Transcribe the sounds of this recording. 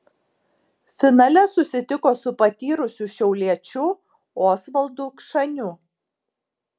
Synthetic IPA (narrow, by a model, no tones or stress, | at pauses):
fʲɪnɑlʲɛsʊsʲɪt̪ʲɪkoːsʊpɐt̪ʲiːɾʊsʲʊʃʲɛʊlʲiɛt͡ʃʲʊ | oːsʋɐlˠd̪uːkʃɐnʲʊ